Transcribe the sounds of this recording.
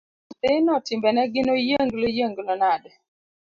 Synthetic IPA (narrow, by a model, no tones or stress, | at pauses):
sɪnɔtɪmbɛnɛɡɪnojəŋɡlojəŋɡlɔnad